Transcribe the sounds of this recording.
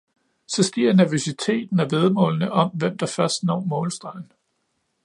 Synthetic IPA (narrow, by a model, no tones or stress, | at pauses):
sɒ̽sɡ̥iɐ̰næɐʋosit͡sʰe̝̰ːd̥n̩æʋe̝ðˠmɔ̰̽ːlnəʔɒ̽mʋem̰d̥ɑ̈fɶɐsd̥nɒ̰ːmɔ̽ːlsd̥ʁɑ̈ɪ̰n